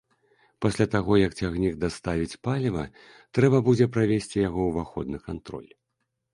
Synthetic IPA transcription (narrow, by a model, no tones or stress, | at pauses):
pasʲlʲat̪aɣɔjɐkt͡sʲaɣnʲiɡd̪ast̪avʲit͡sʲpalʲvɐ | t̪ɾɛbɐbud͡zʲɛpɾavʲesʲt͡sʲijaɣɔwvaxɔd̪nɨkant̪ɾɔ̰lʲ